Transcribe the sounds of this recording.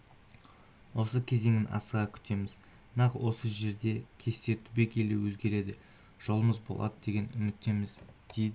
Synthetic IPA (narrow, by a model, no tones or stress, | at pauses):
wo̞səkʲʰe̞ze̞ŋɪnʔɑ̰səʁɑkʲʰʏ̥t̪e̞mɪz | nɑqwo̞səʒe̞ɾd̪e̞kʲʰe̞st̪e̞t̪ʰʊbe̞kʲʰe̞lewɵzɡʲe̞ɾe̞d̪ɪ | ʒ̥o̞lˠəməzbolˠɑ̰d̪əd̪e̞ɡʲe̞nʏmɪt̪ːe̞mɪzd̪̥ejd̪ɪ